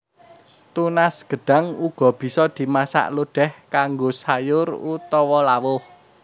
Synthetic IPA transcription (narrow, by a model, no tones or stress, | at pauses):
t̪unasɡ̥ə̤ɖ̥ä̤ŋuɡ̥ɔ̤b̥i̤sɔd̪̥i̤masa̰ʔloɖ̥ɛ̤hkaŋɡosajʊrut̪ɔwɔlawʊh